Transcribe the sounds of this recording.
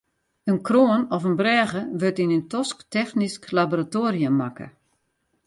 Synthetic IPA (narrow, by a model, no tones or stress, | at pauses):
ənkroːənɔfənbrɛːɣəʋøtinəntɔsktɛxnisklaboratoːriəmakə̰